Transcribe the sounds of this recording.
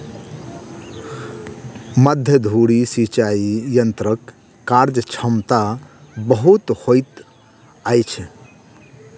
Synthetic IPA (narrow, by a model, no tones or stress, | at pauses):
məd̪ʱjəd̪ʱuɽisit͡ʃaijənt̪ɾəkː | aɾd͡ʒt͡ʃʰəmt̪abəɦut̪hojt̪ | ajt͡ʃʰ